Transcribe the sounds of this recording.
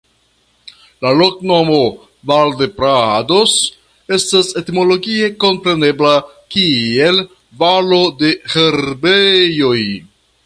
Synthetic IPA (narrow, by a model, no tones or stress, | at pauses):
lalo̞kno̞mo̞ | valdepɾado̞s | e̞stase̞timo̞lo̞ɡie̞ko̞mpɾe̞ne̞bla | kie̞l | valo̞de̞heɾbejo̞j